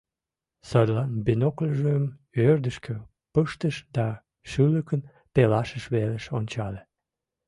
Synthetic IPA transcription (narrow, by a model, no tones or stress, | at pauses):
səd̪lɑnbenokləʒəmørd̪əʃkʰø | pəʃt̪əʃd̪ɑ | ʃyləkən | pelɑʃəʃβeləʃonʲt͡ɕɑle